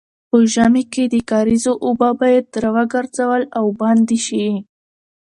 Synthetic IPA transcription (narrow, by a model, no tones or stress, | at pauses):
pəʒameked̪əkɑɾizoʔobabɑjad̪̚ɾawaɡaɾzawəlawbɑnd̪iʃiwi